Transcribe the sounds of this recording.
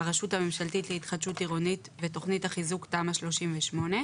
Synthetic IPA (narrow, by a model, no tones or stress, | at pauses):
aʁaʃutamemʃaltitlehitχad̪ʃutiʁonitveto̞χnithaχizuktaːmaʃlo̞ʃimveʃmo̞ne̞